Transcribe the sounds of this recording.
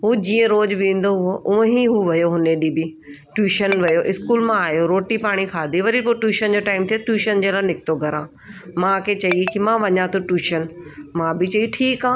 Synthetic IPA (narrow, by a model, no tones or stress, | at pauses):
ɦuːd͡ʑiːə̃ɾoːd͡ʑʋĩːn̆d̪oɦʊɦoʔʊə̃ɦĩɦuːʋɐjoɦʊneɗibɪ | ʈjuːʃənʋɐjoʔɪskuːlmãaːjoɾoːʈipaːɽ̃ixʰaːd̪ʱiʋɐɾipoːʈjuːʃənd͡ʑoːʈaːɪmt̪ʰijoʈjuːʃənd͡ʑeːlanɪk̚t̪oɡʱɐɾãː | mãkʰet͡ɕɐikɪmãʋɐɲãt̪ʰoʈjuːʃənmãːbɪt͡ɕɐiʈʰiːkãː